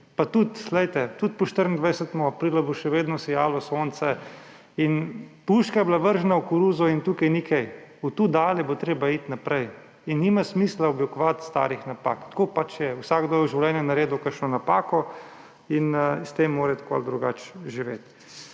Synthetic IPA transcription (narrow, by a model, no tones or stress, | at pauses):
pat̪ut̪lɛjt̪ɛt̪ut̪̚pɔʃt̪əɾənd̪ʋajsɛt̪mɔapɾiːlaboʃɛʋeːd̪nɔsɛjaːlɔsoːnt̪sɛ | inpuʃkajɛblaʋəɾʒnaukuɾuːzɔint̪uːkɛjnikʰɛj | ut̪uːd̪aːlɛbot̪ɾeːbait̪napɾɛj | inːimasmiːslaɔblikɔʋat̪st̪a̰ːɾixnapa̰ːkt̪koːpat͡ʃjɛwsaːɡd̪oːjwʒiwlʲɛnjɛnaɾeːd̪ʊkəɾʃnɔnapaːkɔ | inst̪emːoːɾɛt̪koa̰ld̪ɾuɡaːt͡ʃʒiʋḛt̪